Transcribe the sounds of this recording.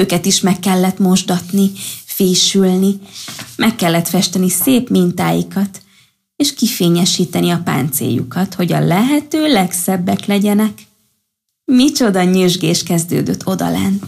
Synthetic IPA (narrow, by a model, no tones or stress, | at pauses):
øːkɛt̪iʃmɛkːɛlːɛt̪mo̞ʒd̪ɒt̪nifeːʃylnimʔɛkːɛlːɛt̪fɛʃt̪ɛniseːpmint̪aːjḭkɒt̪ | eːʃkifeːɲɛʃiːt̪ɛniɒpa̰ːnt̪sḛːjṵkɒt̪ho̞ɟɒ̰lɛɦɛt̪øːlɛksɛbːɛklɛɟɛnɛk | mit͡ʃo̞d̪ɒɲøʒɡeːʃkɛzd̪ø̰ːd̪øt̪ːo̞d̪ɒ̰lɛ̰nː